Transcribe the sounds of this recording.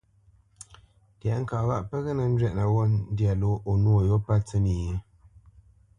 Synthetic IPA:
tja˨ŋ̩˦ka˨wa˦ʔpə˦ɣə˦na˨n̩˦d͡ʒɥɛ˦ʔna˨wɔ˦n˦dja˨lo˦ʔo˨nwo˨jo˦pa˦t͡sə˦ni˨je˦

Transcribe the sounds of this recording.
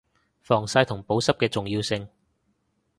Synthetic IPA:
fɔː˨˩ŋsaː˧jt̪ʰʊ˨˩ŋpo˨˥wsɐ˥p̚kɛː˧t͡sʊ˨ŋjiː˧wsɪ˧ŋ

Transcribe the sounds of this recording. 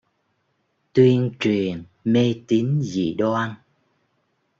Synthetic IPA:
t̪wi˧ənt͡ɕwi˨˩ən | me˧t̪i˨˦nzḭ˧˩˨ɗwa˧a˧n

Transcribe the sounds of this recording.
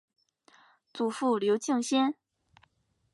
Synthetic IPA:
t͡su˨˩fu˥˩ljo˧˥ʊt͡ɕi˥˧ŋɕjɛ˥n

